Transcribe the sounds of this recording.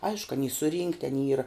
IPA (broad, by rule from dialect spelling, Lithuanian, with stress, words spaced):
ˈɐɪʃkʊ ɐˈnʲiː sʊˈrʲiːŋktʲɪ ɐˈnʲiː ˈiːrɐ